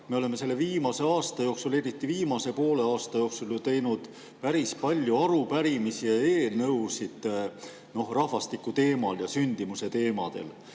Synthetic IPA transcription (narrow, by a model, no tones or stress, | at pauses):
me̞o̞le̞me̞se̞lːe̞viːmɑse̞ɑːst̪ɑjo̞ːksule̞ɾit̪ːˑiviːmɑse̞po̞ːle̞ɑːst̪ɑjo̞ːksult̪e̞jnud̪̥ | pæɾispɑlʲjuɑɾupæɾimisie̞ːlnɤwsid̪̥ | no̞hrɑhvɑst̪ikːˑut̪e̞ːmɑljɑsynʲd̪̥imuse̞t̪e̞ːmɑ̰d̪̥e̞̰l